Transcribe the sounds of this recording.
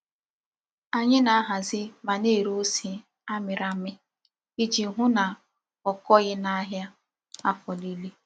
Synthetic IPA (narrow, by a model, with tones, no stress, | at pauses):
a˨ɲɪ˦na˨a˦ɦa˨zɪ˦ma˨ne˦˨ɾo˦si˨ | a˦mɪ˨ɾa˨mɪ˦ | i˦d͡ʒi˨˦ɦʊ˦na˨ | ɔ˨kɔ˦ɣɪ˦na˦ɦja˦ | a˦fɔ˨li˦le˦